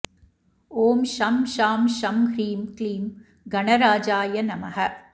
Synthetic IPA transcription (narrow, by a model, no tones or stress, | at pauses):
oːmʃɐmʃaːmʃɐmkɾiːmkliːm | ɡɐɳɐɾaːd͡ʒaːjɐnɐmɐɦɐ